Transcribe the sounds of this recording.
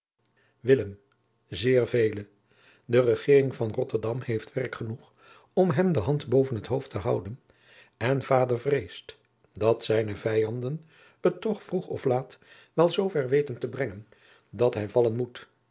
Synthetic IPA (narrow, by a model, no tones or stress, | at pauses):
ʋɪləm | zɪːɹvejlə | dərəχɪːrɪŋvɑnrɔtəɹdɑmhejftʋɛrkχənuχ | ɔmɦɛmdəɦɑntbowvənɦətɦowftəɦɑwdən | ɛnv̥aːdəɹvrejst | dɑtsɛjnəvɛjɑndən | ətːɔχfruχɔ̰flaːt | ʋɛlˠzowvɛɹʋejtəntəbrɛŋən | dɑtɦɛjvɑlənmut